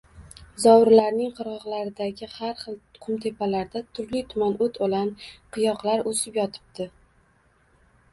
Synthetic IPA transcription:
zɒwɾlaɾnɪŋqʰɨɾʁɒʁlaɾɪd̪aɡʲɪhaɾχɨlˠʊqʰʊmt̪ʰe̞pʰalaɾd̪at̪ʰʊɾlit̪ʰʊmanot̪ʰolanqʰɨjɒqlaɾosɪpjɒt̪ʰɪ̥b̚d̪ɪ

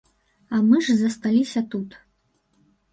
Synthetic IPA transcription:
ɐmɨʐzɐst̪alʲisʲɐt̪ut̪

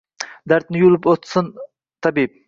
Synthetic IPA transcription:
d̪æɾt̪nɪjulˠɪpot̪sɨn | t̪ʰɑbip̚

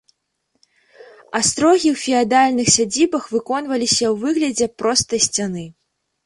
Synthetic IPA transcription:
ast̪ɾɔɣʲiwfʲiad̪alʲnɨxsʲad͡zʲibɐxvɨkɔnvɐlʲisʲɐwvɨɣlʲɐd͡zʲɛpɾɔst̪ɐjsʲt͡sʲanɨ

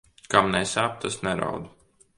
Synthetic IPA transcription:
kamnɛsaːp̚t̪asnɛɾa̰wd̪u

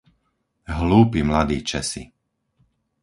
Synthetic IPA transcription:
ɦluːpimlad̪iːt͡ʃɛsḭ

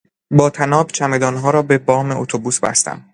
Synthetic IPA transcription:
bɒːt̪ʰænɒːbt͡ʃʰæme̞d̪ɒːnɦɒːɾɒːbebɒːme̞ot̪ʰobuːsbæ̰st̪æ̰m

